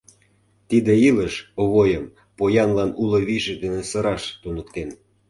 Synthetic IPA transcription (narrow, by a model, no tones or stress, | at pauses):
t̪id̪eiləʃoβojəm | pojɑnlɑnulŏβiʒĕd̪enĕsə̆ɾɑʃt̪unək̚t̪en